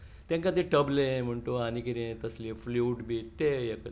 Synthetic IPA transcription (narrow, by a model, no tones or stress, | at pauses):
t̪ẽŋkat̪iʈəblẽm̤əɳʈ̪oanikiɾẽt̪əslĩfluːʈbiːt̪ejek